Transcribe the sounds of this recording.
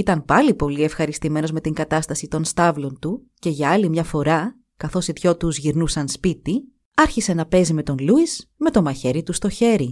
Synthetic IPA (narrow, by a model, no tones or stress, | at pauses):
it̪ɐnpɐlipo̞lie̞fxɐɾist̪ime̞no̞zme̞t̪iŋɡɐt̪ɐst̪ɐsit̪o̞nst̪ɐvlo̞nt̪u | ce̞ʝɐɐlimɲɐfo̞ɾɐ | kɐθo̞sitço̞t̪uzʝiɾnusɐnspit̪i | ɐɾçise̞nɐpe̞zime̞t̪o̞nluisme̞t̪o̞mɐçe̞ɾit̪ust̪o̞çe̞ɾi